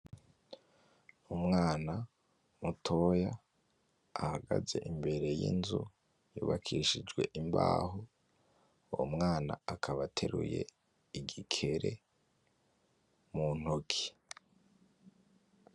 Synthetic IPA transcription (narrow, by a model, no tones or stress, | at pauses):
umŋaːna | mutʰo̞jaː | haɡaze̞ʔimbe̞ɾe̞jḭnzu | juːβakʰiʃid͡ʒɡwe̞ʔimbaːɦo | wo̰mŋaːna̰akʰaβatʰe̞ɾṵje̞̰ | iɡikʰe̞ɾe̞ | mun̥ukʰi̥